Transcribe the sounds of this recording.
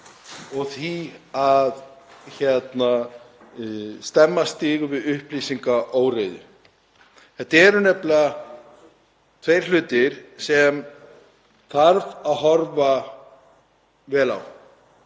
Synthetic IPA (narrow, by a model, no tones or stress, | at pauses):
ɔɣθiaðçɛt̪na | st̪ɛmːast̪iːɣʏvɪðʏhpliːsiŋkaʔoːwɾeːðʏ̰ | θɛt̪ːɛɾʏnɛpla | t̪ʰvejɾ̥l̥ʏːt̪ɪɾ̥sɛm | θʰaɾvaðɦɔɾva | vɛːla̰w